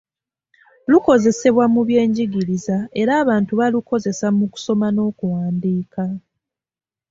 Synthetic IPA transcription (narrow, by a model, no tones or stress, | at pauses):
luko̞ze̞se̞βwamuβje̞ːɲɟiɡiɾizae̞ɾaːβaːntuβaluko̞ze̞samuku̥so̞mano̞ːkuwaːndiːka